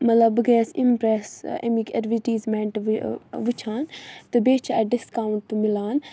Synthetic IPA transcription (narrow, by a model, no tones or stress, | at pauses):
mɐt̪lɐbɡeːsimpɾeːsḛmikḛɾʋiʈiːzmẽːɳʈʋit͡ʃʰaːnt̪ɨbeːt͡ʃʰaɛɖɪskaːwuɳʈt̪umilaːn